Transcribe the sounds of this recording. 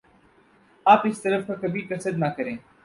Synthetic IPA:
aːpɪst̪əɾəfəkəbiːkəsəd̪naːkəɾẽː

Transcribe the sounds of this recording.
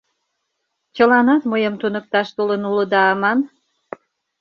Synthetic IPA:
t͡ɕəlɑnɑt̪məjəmt̪unək̚t̪ɑʃt̪olənuləd̪ɑːmɑn

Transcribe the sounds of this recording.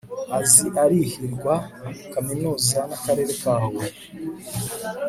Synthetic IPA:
aziʔaɾihiɾɡwakaminuːzanakaɾe̞ːɾe̞kaːwe

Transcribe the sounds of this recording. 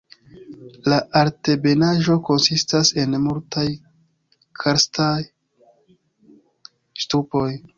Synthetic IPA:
laʔaɾte̞be̞naʒo̞ko̞nsistase̞nmultaj | kʰaɾstaj | stupo̞j

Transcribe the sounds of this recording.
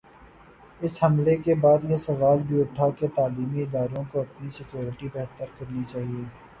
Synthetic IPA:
ɪshɐmlekebaːd̪jesɐʋaːlbʱiʊʈʰaket̪aːliːmiɪd̪aːɾõkoɐpnisɪkjoːɾɪʈibɛɦt̪əɾkɐɾnit͡ʃaːɦieː

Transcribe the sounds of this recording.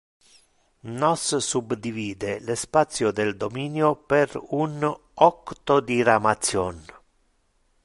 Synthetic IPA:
nɔssubd̪iviːd̪elespat̪sːjod̪eld̪omiːnjoperun | ɔkt̪od̪iɾamat̪sjɔn

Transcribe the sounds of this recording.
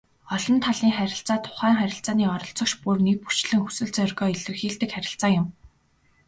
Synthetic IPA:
ɔɮɞ̆nt̪ʰaɮiːŋχæɾʲɪ̆ɬt͡saːt̪ʰʊ̥χæːŋχæɾʲɪ̆ɬt͡saːniːɔɾɞ̆ɬt͡sɞ̆kt͡ɕpurnek̚pu̥t͡ɕɮɘ̆ŋxu̥sɘ̆ɮt͡sœrɣɔːiɮɘ̆rxiːɮt̪ɘ̆kχæɾʲɪ̆ɬt͡saːŋjʊm

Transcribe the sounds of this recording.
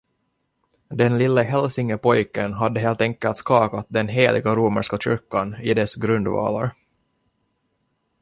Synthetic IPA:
d̪ɛnlɪlːəɦɛlsɪŋəpʰɔjkənɦad̪ːəɦeːlt̪ɛŋkəlt̪skɑːkat̪̚d̪ɛnɦeːlʔɪ̰ɡaɾuːmə̰ʂkaɕʏɾkanɪd̪ɛsɡɾɵnd̪vɑ̰ːla̰ɾ

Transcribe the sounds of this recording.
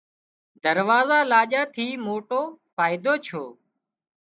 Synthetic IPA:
d̪əɾʋaːzaːlaːʄaːt̪ʰiːmoːʈoːfaːɪd̪oːt͡ʃʰoː

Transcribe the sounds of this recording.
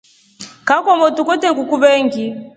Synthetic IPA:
kakɔmɔtukɔtɛŋɡukuβɛŋɡi

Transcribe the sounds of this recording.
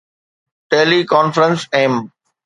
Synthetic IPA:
ʈeːlikɔːnfɾə̃nsẽːm

